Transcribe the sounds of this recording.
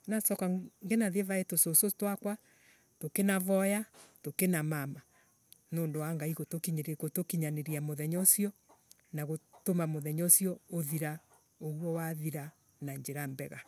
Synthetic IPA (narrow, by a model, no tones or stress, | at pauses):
nasɔkaŋɡenaðevaetososotwakwa | tokenavɔjatokenamama | noːndowaŋɡaiɣotokiɲɾkotokiɲaneɾiamoðɛɲɔsiɔ | naɣotomamoðɛɲɔsiɔoðiɾa | oɣwɔwaðiɾa | naɲd͡ʑeɾambɛɣa